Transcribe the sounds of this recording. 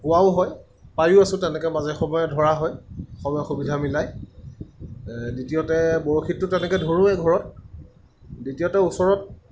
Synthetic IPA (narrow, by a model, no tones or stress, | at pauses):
kuwaʊɦɔj | pajʊasʊ̃tɛnɛkɛmazɛxɔmɔjɔdʱɔɹaɦɔjxɔmɔjɔxubidʱamilaj | ditijɔtɛboɹoxitːʊtɛnɛkɛdʱoɹʊ̃ɛɡʱɔɹɔt̚ | ditijɔtɛusɔɹɔt̚